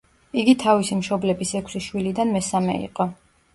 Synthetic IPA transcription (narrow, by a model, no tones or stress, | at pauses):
iɡit̪ʰavisimʃɔblɛbisɛkʷʰsiʃwilid̪anmɛsamɛ̰ḭqʼɔ